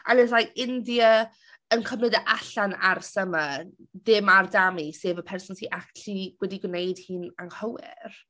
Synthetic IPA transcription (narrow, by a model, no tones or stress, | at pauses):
a̰lɪsajɪndiə | ənkʰəmnɪdəʔaɬanarsəmə | ðɪmardamiseːvəpʰɛrsʊnsiʔak̚tɬiwɛdiɡwnejd̥hiːnaŋhəwɪ̰r